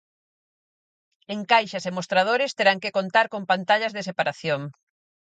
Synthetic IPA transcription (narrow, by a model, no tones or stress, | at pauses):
eŋkajʃɐsemost̪ɾaðoɾɪst̪eɾaŋkekont̪aɾkompant̪aʎɐzðes̬epaɾaθjoŋ